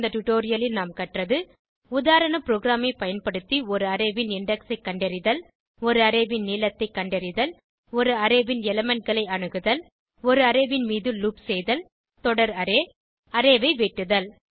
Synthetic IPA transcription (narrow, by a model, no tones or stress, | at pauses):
d̪ɐʈʊʈoːɾɪjɐlɪlnaːmkɐʈrɐðɯ | ʊðaːɾɐɳɐpɾoːɡɾaːmɐɪpɐjɐnpɐɽɯt̪ːiɔɾɯɐɾɐʋɪnɪɳɖɐksɐɪkːɐɳɖɐɾɪðɐl | ɔɾɯɐɾɐʋɪnniːlɐt̪ːɐɪkːɐɳɖɐɾɪðɐl | ɔɾɯɐɾɐʋɪnɛlɐmɛɳʈ̚ɡɐɭɐɪɐɳɯɣɯðɐl | ɔɾɯɐɾɐʋɪnmiːðɯluːpsɛjðɐl | t̪ɔɽɐɾɐɾeː | ɐɾeʋɐɪʋeːʈːɯðɐl